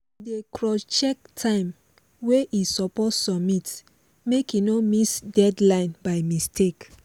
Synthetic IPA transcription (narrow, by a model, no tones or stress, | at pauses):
dekɹɔt͡ʃɛk̚tʰãɪ̃m | weʔisɔpɔtsɔmit | mekinomisdɛdlãɪ̃nbaɪmistʰek